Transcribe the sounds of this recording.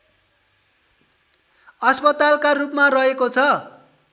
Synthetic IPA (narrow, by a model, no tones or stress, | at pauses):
ʌspʌt̪alkarupmarʌɦekot͡sʰʌ